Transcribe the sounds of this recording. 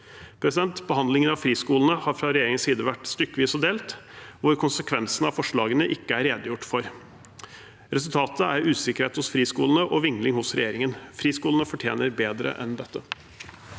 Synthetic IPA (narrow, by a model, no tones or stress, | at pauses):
pʰɾɛsɪd̪ɛnt̪bəhɑnd̪lɪŋənɑʋfɾiːskuːlən̩əhɑːɾfɾɑɾɛjeːɾɪŋənsiːd̪əʋæʈːst̪ʏkːəʋiːsɔd̪eːlt̪ʋʊɾkʰʊnsəkʰʋɛnsənɑ̰fɔʂɭɑːɡənəʔɪkːəæɾeːd̪əjʊʈːfɔɾ | ɾɛsʉlt̪ʰɑːt̪əæɾʉːsɪkəɾheːt̪hʊsfɾiːskuːlən̩əʔɔʋɪŋlɪŋhʊsɾɛjeːɾɪŋənfɾiːskuːlənəfɔʈʰjeːnəɾbeːd̪ɾə̰ʔɛ̰nd̪ɛt̪ːə